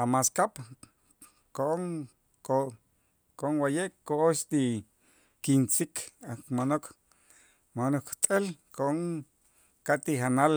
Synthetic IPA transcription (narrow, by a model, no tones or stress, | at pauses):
amaskap | koʔoŋ | o | koʔoŋwajeʔkooʃt̪i | kint͡sikakmanok | manokt̪ʼelkoʔoŋ | kat̪ihanal